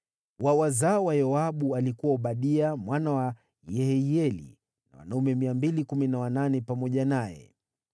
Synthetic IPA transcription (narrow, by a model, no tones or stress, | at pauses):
wawazawajɔaɓualikuwaɔɓaɗiamwanawa | jɛhɛiɛlḭ | na̰wa̰naumɛmiambilikuminawananɛpamɔʄanajɛ̰